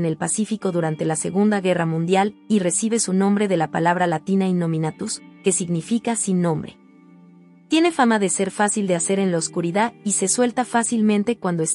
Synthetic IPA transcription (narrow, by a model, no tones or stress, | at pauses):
ne̞lpasifiko̞ðuɾant̪e̞lase̞̰ɣund̪aɣe̞ramũnd̪jalire̞siβ̞e̞sunõ̞mbɾe̞ðe̞lapa̰laβ̞ɾalat̪inainːo̞mĩnat̪uske̞siɣnifikasinːõ̞mbɾe̞̰ | t̪je̞ne̞famaðe̞se̞ɾfasild̪e̞ase̞ɾe̞nlaoskuɾiðaðise̞swe̞lt̪afasilmẽnt̪e̞kwand̪o̞es